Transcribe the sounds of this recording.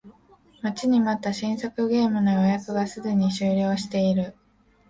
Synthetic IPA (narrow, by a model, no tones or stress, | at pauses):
mat͡ɕiɲ̟imat̪ːaɕĩɰ̃sakɯ̟ɡe̞ːmɯ̟nojojakɯ̟ɡasɨɡɯɲ̟iɕɨːɾʲo̞ːɕi̥t̪e̞iɾɯ̟